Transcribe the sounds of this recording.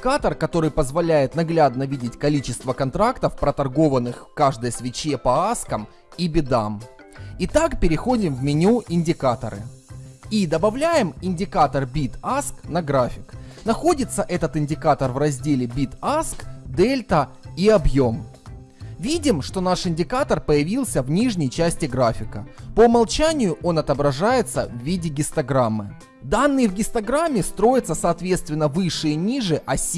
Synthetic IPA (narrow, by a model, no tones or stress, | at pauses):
ɪkat̪ərkɐt̪o̞ɾɨjpəzvɐlʲæjɪt̪nɐɡlʲad̪nəvʲidʲɪtʲkɐlʲit͡ɕɪst̪vəkɐnt̪ɾakt̪əfpɾət̪ɐrɡo̞vənːɨxkaʐd̪əjəsvʲɪt͡ɕːepɐaskəm | ibʲɪd̪am | it̪akpʲɪɾʲɪxo̞dʲɪmvmʲɪnʲuɪnʲdʲɪkat̪ə̰ɾɨ̰id̪əbɐvlʲæjɪmɪnʲdʲɪkat̪ərbʲit̪asknɐɡɾafʲɪknɐxo̞dʲɪt̪səʔɛt̪ət̪ɪnʲdʲɪkat̪ərvrɐzʲdʲelʲɪbʲit̪askd̪ɛlʲt̪ə | iɐbjo̞m | vʲidʲɪmʂt̪o̞naʂɪnʲdʲɪkat̪ərpəjɪvʲilˠsʲəvnʲiʐnʲəjt͡ɕæsʲtʲɪɡɾafʲɪkəpəmɐlˠt͡ɕænʲɪjʊʔo̞nɐt̪əbɾɐʐajɪt̪sə̰vːʲidʲɪɡʲɪst̪ɐɡɾamːɨ | d̪anːɨjvɡʲɪst̪ɐɡɾamʲːɪst̪ɾo̞jɪt̪səsɐːt̪vʲe̞t̪st̪vʲɪnːəvɨʂːɨjnʲiʐɨʔɐsʲ